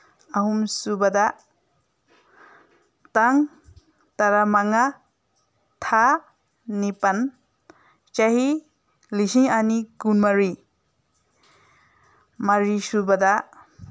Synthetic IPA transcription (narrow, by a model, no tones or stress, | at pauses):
aɦumsubada | taŋ | taɾamaŋa | tʰa | nipan | t͡ʃaɦi | lisiŋaniɡunmaɾi | maɾisubada